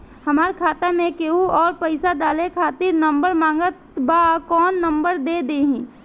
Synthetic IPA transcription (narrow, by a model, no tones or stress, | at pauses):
hɐmaːɾkʰaːt̪amẽkeːuɔːɾpəɪsad̪aːlekʰaːt̪ɪɾnəmbəɾmãːŋɡət̪bakɔːnːə̃mbəɾd̪ed̪eɦĩː